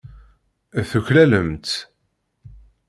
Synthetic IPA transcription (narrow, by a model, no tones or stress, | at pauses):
θuçlæləmt̪